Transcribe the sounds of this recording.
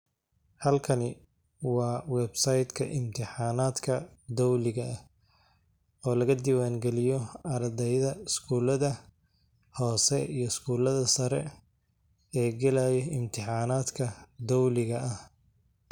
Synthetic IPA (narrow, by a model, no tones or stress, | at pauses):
hɐlkʰɐnɪ | wɑːwɛbsɐjd̪kʰɐʔɪmt̪ʰɪħɑːnaːd̪kʰɐd̪ɔwlɪɣɐɐ | ɔːlɐɣɐd̪ɪwaːŋɡɛlɪjɔɐɾɐd̪ɛjðɐɪskʰuːlɐðɐ | hɔːsɛijɞɪskʰuːlɐðɐsɐɾɛ | ɛːɡɛlaːjɔɪmt̪ʰɪħɑːnaːd̪kʰɐd̪ɔwlɪɣɐɐh